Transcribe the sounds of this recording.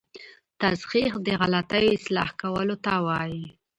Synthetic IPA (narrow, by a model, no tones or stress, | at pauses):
t̪azqiqd̪əɣalat̪ajoɪslɑ̰hkawəlot̪awɑji